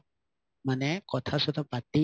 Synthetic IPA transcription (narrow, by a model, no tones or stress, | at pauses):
mənɛkɔt̪ʰasɔt̪ʰɔpat̪ːi